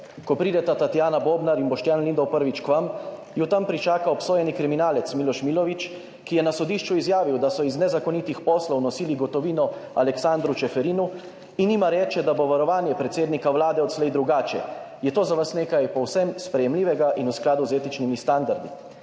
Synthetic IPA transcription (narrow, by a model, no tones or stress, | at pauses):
kɔpɾiːd̪ɛt̪at̪at̪jaːnaboːbnaɾinbɔʃt̪jaːnlind̪ɔwpəɾʋit͡ʃkʋam | jut̪ampɾit͡ʃaːkaɔpsoːjɛnikɾiminaːlɛt̪smilɔʃmilɔʋit͡ʃ | kijɛnasɔd̪iːʃt͡ʃuizjaːʋiwd̪asɔiznɛzakɔnit̪ixpɔslɔwnɔsiːliɡɔt̪ɔʋiːnɔalɛksaːnd̪ɾut͡ʃɛfɛɾiːnu | iniːmaɾɛːt͡ʃɛd̪aboʋaɾɔʋaːnjɛpɾɛt̪seːd̪nikaʋwlaːd̪ɛɔt̪slɛjd̪ɾuɡaːt͡ʃɛ̰ | jɛt̪oːzaʋasneːkajpɔwsɛmspɾɛjɛmliːʋɛɡaʔinusklaːd̪uzeːt̪it͡ʃnimist̪and̪aɾd̪i